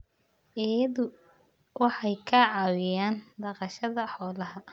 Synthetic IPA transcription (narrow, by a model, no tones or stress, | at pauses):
ʔɪjɐðʊ | wɑħɑjkʰɐʕɑːwɪjaːnd̪ɑqɑʃɐðɐħɔːlɐɦɐ